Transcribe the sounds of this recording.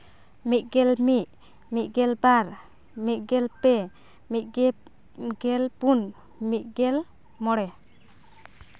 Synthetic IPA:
mit̪̚ɡɛlmiʔ̚ | mit̪̚ˀɡɛlbaɾ | mit̪̚ˀɡɛlpɛ | mit̪̚ɡɛ | ɡɛlpun | mit̪̚ɡɛl | mɔɽɛ

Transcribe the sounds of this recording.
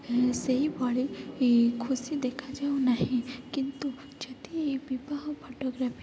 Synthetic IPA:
seɦibaːɽi | kʰʊsid̪eːkʰad͡ʒaonaɦĩkɪnt̪u | d͡ʒɐt̪ibɪbaɦopʰoːʈoɡɾapʰi

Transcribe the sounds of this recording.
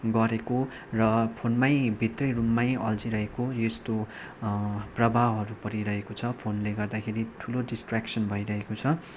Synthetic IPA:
ɡʌɾeko | rʌpʰonmajbʱit̪rʌjrumːajʌld͡ziɾʌɦekojest̪o | prʌbʱawɦʌɾupʌɾiɾʌɦekot͡sʰʌpʰonleɡʌrd̪akʰeɾiʈʰuloɖisʈraksʌnbʱʌjɾʌɦekot͡sʰʌ

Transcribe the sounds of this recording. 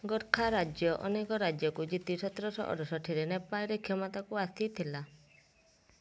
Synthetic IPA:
ɡɔɾkʰaɾad͡ʒjɔʔɔ̰nekɔɾad͡ʒjɔkud͡ʒit̪isɔt̪ɾɔsɔ̰ʔɔ̰ɾɔsɔʈʰiɾenepaɾekʰjɔmɔt̪akuast̪ʰit̪ʰila

